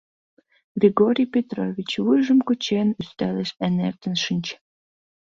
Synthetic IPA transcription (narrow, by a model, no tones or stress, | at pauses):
ɡrʲiɡoɾʲijpʲet̪ɾo̰vʲit͡ɕβɨjʒəmkut͡ɕenyst̪æleʃenḛrt̪ə̆nʃənʲt͡ɕ